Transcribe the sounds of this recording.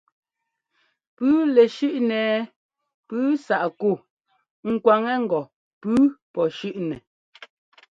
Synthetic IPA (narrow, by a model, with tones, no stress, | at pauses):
pʉː˦lɛ˨ʃʉ˦ʔnɛː˨ | pʉː˦sa˨ʔku˦˨ | ŋ̩˨kwa˨ŋɛ˦ŋ̩˨ɡɔ˨ | pʉː˦pɔ˨ʃʉ˦ʔnɛ˨